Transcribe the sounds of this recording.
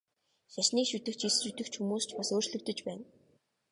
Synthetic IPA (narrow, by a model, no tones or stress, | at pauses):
saʃniːkʃut̪ɘ̆kt͡ɕʰisrɵt̪ɘ̆kt͡ɕxumuːst͡ɕpasoːrt͡ɕɮɵ̆wt̪ɵ̆t͡ɕpæːn